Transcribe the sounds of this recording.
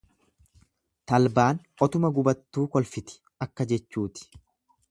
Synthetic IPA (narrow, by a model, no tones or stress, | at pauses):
t̪ɐlbaːn | ɔt̪ʊmɐɡʊbɐt̪ːuːkɔlfɪt̪ɪ̥ | ɐkːɐd͡ʒɛt͡ʃːuːt̪ɪ̥